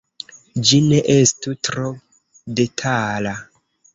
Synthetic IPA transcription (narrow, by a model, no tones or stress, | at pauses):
d͡ʒineʔestutɾo | detʰala